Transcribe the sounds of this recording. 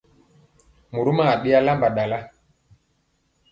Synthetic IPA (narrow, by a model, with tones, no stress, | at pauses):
mu˨ɾu˦ma˦a˨ɗi˦a˦la˦mba˨ɗa˨la˦